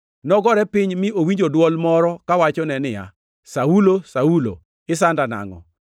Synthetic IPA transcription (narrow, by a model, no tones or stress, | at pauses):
nɔɡɔɾɛpɪɲmɪowiɲd͡ʒodwɔlmɔɾɔkawat͡ʃɔnɛnɪja̰ | saulosaulo̰ | ɪsandana̰ŋɔ̰